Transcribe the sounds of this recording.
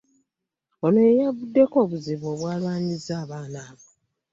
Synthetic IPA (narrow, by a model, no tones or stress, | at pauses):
onojejavudːe̞ko̞ːβuziβo̞ːβwaːlwaːɲizaːβaːnaːβo